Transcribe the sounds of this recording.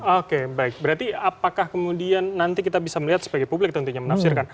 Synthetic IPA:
okebaɪk̚bəɾart̪iapakahkəmudianːant̪ikit̪abisaməliɦat̪səbaɡajpublɪk̚t̪ənt̪uɲamənafsɪrkan

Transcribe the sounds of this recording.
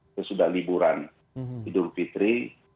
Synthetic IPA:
səsudahlibuɾan | idʊmfit̪ɾi

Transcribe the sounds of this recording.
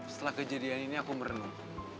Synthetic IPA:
sə̥t̪əlahkəd͡ʒadianiniakuməɾənu

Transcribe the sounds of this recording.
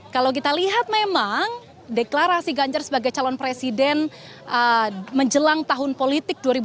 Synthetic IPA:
kalawk̬it̪aliɦat̪̚memaŋ | deklaɾasiɡaɲd͡ʒarsəbaɡajt͡ʃalɔnpɾesidɛn | ʔəməɲd͡ʒəlaŋt̪aɦʊnpolit̪ɪk̚duaɾib

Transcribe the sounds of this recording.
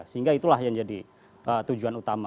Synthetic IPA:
səiŋɡait̪ulahjaŋd͡ʒadi | ʔət̪ud͡ʒuanut̪ama

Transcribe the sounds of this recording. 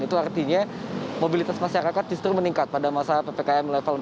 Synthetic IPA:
it̪uart̪iɲamobilit̪asmaʃaɾakat̪̚d͡ʒust̪ɾiməniŋkat̪̚padamasapepekaɛmlɛfal

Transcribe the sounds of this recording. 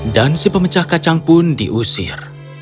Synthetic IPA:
dansipəmət͡ʃahkat͡ʃaŋpʊndḭʔusɪ̰r

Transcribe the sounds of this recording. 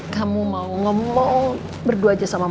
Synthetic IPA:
kamumauŋɔmɔŋ | bərduad͡ʒasamam

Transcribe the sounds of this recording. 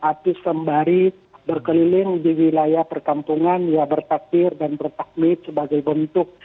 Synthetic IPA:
ʔat̪ɪsːəmbaɾi | bərkəlilɪŋdiwilajahpərkampuŋanjabərt̪ak̚ɪrdanbərt̪ah̚mɪt̪̚səbaɡajbənt̪ʊk̚

